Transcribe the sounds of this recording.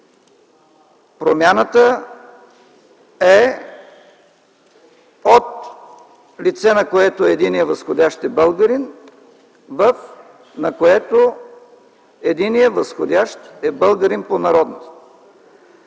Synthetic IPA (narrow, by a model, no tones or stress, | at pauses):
pɾomʲjanət̪ə | ɛ | ot̪ | lit̪sɛnɐkoɛt̪oɛd̪inijəvəsxod̪ʲaʃt̪ɛbəlˠɡəɾin | vəf | nɐkoɛt̪o | ɛd̪inijəvɐsxod̪ʲaʃt̪ɛbəlˠɡəɾinponɐɾɔd̪nost̪